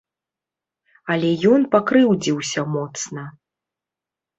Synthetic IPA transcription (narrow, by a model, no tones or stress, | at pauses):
ɐlʲɛjɔnpakɾɨwd͡zʲiwsʲɐmɔt̪snɐ